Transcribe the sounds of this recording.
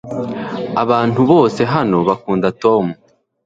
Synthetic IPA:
aβaːn̥uβo̞ːse̞ɦano̞βakuːndato̞mu

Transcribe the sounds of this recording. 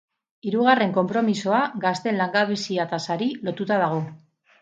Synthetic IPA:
iɾuɣare̞ŋko̞mpɾo̞miso̞aɡast̪e̞nlaŋɡaβisiat̪asaɾilo̞t̪ut̪að̞aɣ̞o̞

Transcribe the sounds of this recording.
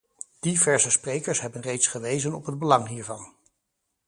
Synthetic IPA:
d̥ivɛɹsəsprejkəɹsɦɛbənrejtsχəʋejzənɔpɦəd̚bəlɑŋɦiːɹvɑn

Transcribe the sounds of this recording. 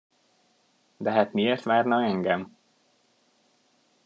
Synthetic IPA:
d̪ɛɦaːt̪mieːrt̪ʋaːrnɒɛŋɡɛm

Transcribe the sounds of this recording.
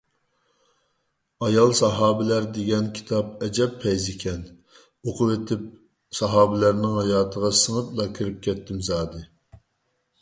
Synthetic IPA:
ɑjɑlˠsɑɦɑːbɪlæɾd̪eɡʲɛnkʲʰi̥t̪ʰɑp̚ɛd͡ʒɛpʰːɛjzɪkʲʰɛn | oqʰʊwet̪ʰɪp̚ | sɑɦɑːbɪlæɾnɪŋhɑjɑːt̪ʰəʁɑsəŋəplˠɑkʲʰiɾɪp̚kʲʰɛt̪ʰːɪmzɑːd̪ɨ

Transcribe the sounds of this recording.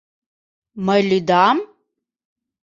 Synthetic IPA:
mɐjlid̪aːm

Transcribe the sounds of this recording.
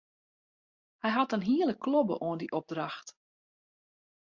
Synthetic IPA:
hɛjɦɑtənɦiələkʰlɔbə̰ʔoəndiʔɔb̚draxt

